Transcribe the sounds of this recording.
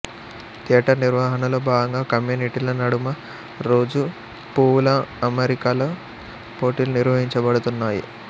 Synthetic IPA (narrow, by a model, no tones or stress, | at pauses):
t̪iːɐʈɐniɾʋaɦɐnɐloːbaːɡɐŋɡaːkɐmjuːniʈilɐnɐɽumɐ | ɾo̞ːd͡ʒu | puːlɐɐmeɾikaloː | poːʈiluniɾʋɐɦiɲt͡ʃɐbɐɽut̪unːaːjḭ